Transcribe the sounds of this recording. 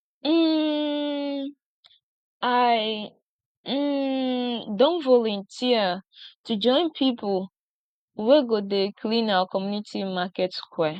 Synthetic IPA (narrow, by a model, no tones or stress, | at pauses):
m̩ | aɪ | dõnvɔlɔ̃ntʰiətʰud͡ʒɔ̃ɪ̃npʰipʰʊl | weɡodekʰlĩnaəkʰɔmjunitʰimakɛtkʰwɛ